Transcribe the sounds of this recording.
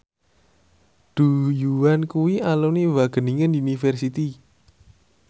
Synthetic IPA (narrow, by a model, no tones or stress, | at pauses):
ɖ̪̥ṳjuwankuwiʔaluniwaɡ̥ə̤niŋəniunifɛrsit̪i